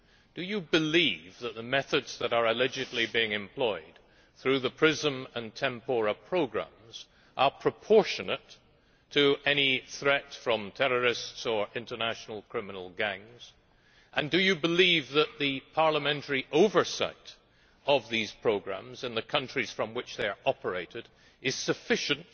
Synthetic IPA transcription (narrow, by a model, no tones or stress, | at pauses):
d̥ɨjɨbɨlivðət̪̚ðəmɛθɨdz̥ðəɾə˞ɨlɛd͡ʒɨdˡlibiɪ̃ŋɨ̃mpʰl̥ɔɪd̪̥̚ | θɹʉðəpʰɹ̥ɪzə̃mə̃ntʰɛ̃mpəɹəpʰɹ̥oʊɡɹæ̰̃mz̥ | ʔə˞pʰɹ̥ɨpʰɔɹʃɨnətʰ | ɨʔɛniθɹɛtfɹʌ̃mtʰɛɹə˞ɪstsə˞ʔɪ̃ntə˞næʃn̩l̩ˠkʰɹ̥ɪmənl̩ˠɡæ̃ŋz̥ | ʔə̃ndɨjɨbɨlivðət̪̚ðipʰɑɹləmɛ̃ntʰə˞iʔoʊvə˞sa̰ɪɾ | ʔʌvðiz̥pʰɹ̥oʊɡɹæ̰̃mzɨ̃nðɨkʰʌ̃nt͡ʃɹ̥iz̥fɹʌ̃mwɨt͡ʃðeɪə˞ʔɑpə˞eɪɾɨɾ | ɨz̥sɨfɪʃɨ̃nt